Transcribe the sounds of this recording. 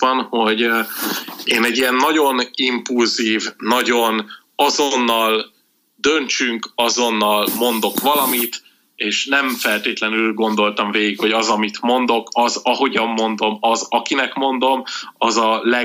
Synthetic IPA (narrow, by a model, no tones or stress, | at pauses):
nho̞ɟ | eːnɛɟːijɛnːɒɟo̞nimpulziːvnɒɟo̞n | ɒzo̞nːɒl | d̪ønt͡ʃyŋkɒzo̞nːɒlmo̞nd̪o̞kʋɒlɒmit̪ | eːʃnɛɱfɛlt̪eːt̪lɛnylɡo̞nd̪o̞lt̪ɒɱveːɡikho̞ɟɒzɒmit̪mo̞nd̪o̞kɒzɒɦo̞ɟɒmːo̞nd̪o̞mɒzɒkinɛkmo̞nd̪o̞mɒzɒlɛ